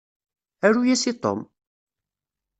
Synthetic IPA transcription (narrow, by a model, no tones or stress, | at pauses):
æɾujæsit̪ˤo̰m